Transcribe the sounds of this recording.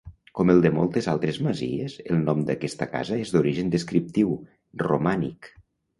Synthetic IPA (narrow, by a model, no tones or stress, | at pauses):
kɔməlˠd̪əmɔlˠt̪əzalˠt̪ɾezməzḭezḛlˠnɔmd̪əkɛst̪əka̰zəezd̪uɾiʒənd̪əskɾip̚t̪iw | rṵmanḭk